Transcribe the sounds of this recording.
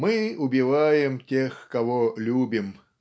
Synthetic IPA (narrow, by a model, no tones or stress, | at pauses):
mɨʊbʲɪvajɪmtʲexkɐvolʲubʲɪm